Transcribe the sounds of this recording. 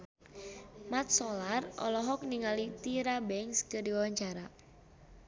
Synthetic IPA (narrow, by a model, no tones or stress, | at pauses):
mat̪̚sɔlarʔɔ̰lɔɦɔk̚niŋalit̪iɾabɛŋskədiawaɲt͡ʃaɾa